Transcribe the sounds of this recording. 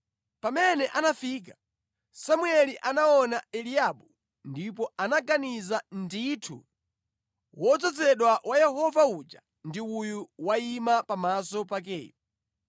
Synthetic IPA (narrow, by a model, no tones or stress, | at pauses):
pamɛnɛʔanafik̬ḁ | samuɛliʔanaɔnaɛliaɓu | ndip̬ɔanaɡanizanditʰṵ | wɔt͡sɔt͡sɛɗwawʔajɛhɔvaud͡ʒa | ndiujuwaimapamasɔpak̬ɛ̰ːpu